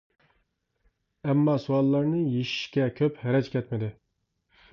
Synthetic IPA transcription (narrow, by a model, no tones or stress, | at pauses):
ɛmːɑsuɑlˠːɑɾnɨjeʃi̥ʃkʲɛkʲʰøphɛɾɛt͡ʃkʲʰɛt̪mɪd̪ɪ